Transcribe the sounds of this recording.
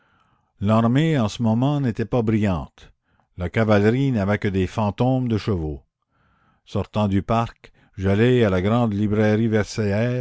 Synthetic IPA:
laʁmeɑ̃səmɔmɑ̃net̪ɛpabʁijɑ̃ːt̪ | lakavalʁinavɛkəd̪efɑ̃t̪ɔ̃md̪əʃəvo | sɔʁt̪ɑ̃d̪ypaʁk | ʒalɛalaɡʁɑ̃d̪libʁɛʁivɛʁseɛː

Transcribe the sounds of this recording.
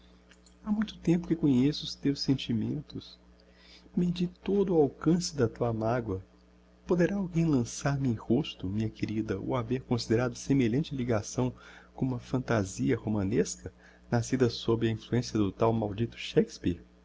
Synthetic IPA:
amũj̃t̪ʊ̥t̪ẽmpʊkɪkõɲesʊʊst̪ewsẽnt͡ʃimḛ̃nt̪ʊs | med͡ʒit̪od̪ʊːawkɐ̃sɪd̪ɐt̪uɐamaɡwɐ | pod̪eɾaawɡẽj̃lɐ̃saɾmɪẽj̃host̪ʊmĩɲɐkeɾid̪ɐo̰aveɾkõsid̪eɾad̪ʊsemeʎɐ̃nt͡ʃɪliɡasɐ̃w̃kõũmɐfɐ̃nt̪aziɐhomɐ̃neskɐ | nasid̪ɐsobɾɪɐĩfluẽsiɐd̪ʊt̪awmawd͡ʒit̪ʊ̥ʃɛkspḭɾ

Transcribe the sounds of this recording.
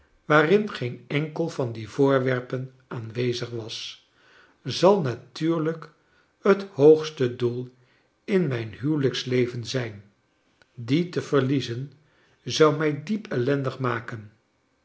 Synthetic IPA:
ʋaːrɪnχejnɛŋkəlˠvɑndiv̥ʊːɹʋɛɹpən | aːnʋejzəχʋɑs | zɑlˠnatyːɹlək | həthowχstədulˠ | ɪnmɛjnɦywləkslejvənzɛjn | ditəv̥əɹlizən | zɑwmɛjdipɛlɛndəχmaːkən

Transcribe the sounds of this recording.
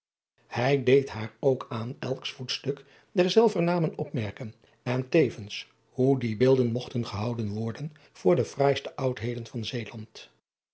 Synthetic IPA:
hɛjdejtɦaːɹowkʰaːnɛlˠksfutstɵk | dɛɹzɛlˠvəɹnaːmənɔpmɛɹkən | ɛntejvəns | ɦudibɪːlˠdənmɔχtənχəɦɑwdənʋɔɹdən | v̥ʊːɹdəv̥raːjstəʔɑwtɦejdənvɑnzejlɑnt

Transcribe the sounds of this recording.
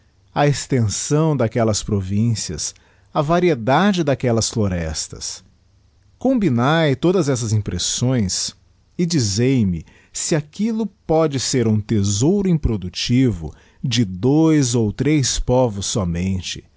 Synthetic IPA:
ɐest̪ẽsɐ̃w̃d̪akɛlɐspɾovĩsiɐ̰s | ɐvaɾied̪ad͡ʒɪd̪akɛlɐsfloɾɛst̪ɐ̰s | kõmbinajt̪od̪ɐzɛs̬ɐzĩpɾesõj̃s | ɪd͡ʒizejmɪ | sɪakilʊpɔd͡ʒɪseɾũt̪ezowɾʊĩpɾod̪ut͡ʃivʊ̰ | d͡ʒɪd̪ojzowt̪ɾespɔvʊsːɔmẽnt͡ʃɪ̥

